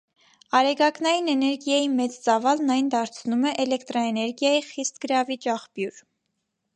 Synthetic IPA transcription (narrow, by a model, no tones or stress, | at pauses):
ɑɾɛɡɑknɑjinɛnɛɾɡjɑjimɛt͡st͡sɑvɑlnɑjnd̪ɑɾt͡sʰnumɛʔɛlɛkt̪ɾɔɛnɛɾɡjɑjiχist̪ɡ̥əɾɑvit͡ʃɑχpjuɾ